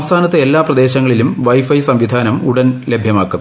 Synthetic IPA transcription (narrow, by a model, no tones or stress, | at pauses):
mst̪ʰaːnɐt̪ːɐelːaːprɐd̪e̞ːɕɐŋːɐɭilumʋɐjfɐjsɐmʋid̪ʱaːnɐmuɽɐnle̞bʱjɐmaːkːum